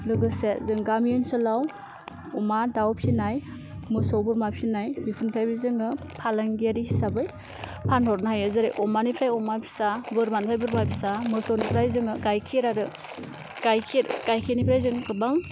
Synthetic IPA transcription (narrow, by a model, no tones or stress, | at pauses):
lɯɡɯsezɯŋɡamiɔnsɯlaw | ɔmadawpʰinaj | mɯsɔwbɯɾmapʰinajbipʰɯnpʰajbizɯŋɯ | pʰalaŋɡiaɾisabɯj | pʰanhɔɾnaɦajɯzɯɾejʔɔmanipʰɾajɔmapʰi̥sabɯɾmanipʰajbɯɾmajpʰisamɯsɔwnipʰɾajzɯŋɯɡajkʰiɾaɾɯ | ɡ̥ajkʰiɾɡ̥ajkʰenipʰɾajzɯŋkɯbaŋ